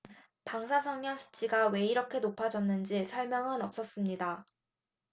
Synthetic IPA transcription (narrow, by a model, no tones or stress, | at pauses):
paŋsʰasʰʌŋɲasʰu̥t͡ɕʰiɡawe̞iɾʌkʰe̞nopʰad͡ʑʌnːɯnd͡ʑisʰʌɭmjʌŋɯnʌp̚s͈ʌs͈ɯmɲida